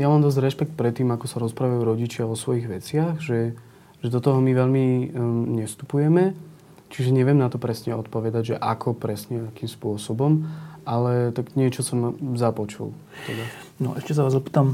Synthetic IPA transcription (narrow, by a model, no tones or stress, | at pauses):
jamaːmd̪ɔzdɾɛʃpɛk̚t̪̚pɾɛt̪ːiːmakɔsaɾɔspɾaʋajuːɾɔɟit͡ʃɪaɔsʋɔjiɣʋɛt͡sɪaɣʒɛ | ʒ̥ɛd̪ɔt̪ɔɦɔmiʋɛʎmiɲɛst̪upujɛmɛ | t͡ʃiʒɛɲɛʋɪɛmnat̪ɔpɾɛsɲɛɔt̪̚pɔʋɛd̪aɟʒɛʔa̰kʰɔpɾɛsɲɛt̪akiːmspʊɔsɔbɔmʔalɛt̪aɡɲɪɛt͡ʃɔsɔmzapɔt͡ʃṵl | t̪ɛd̪a | nɔ̰ʔɛʃcɛs̬aʋaːzɔpiːt̪am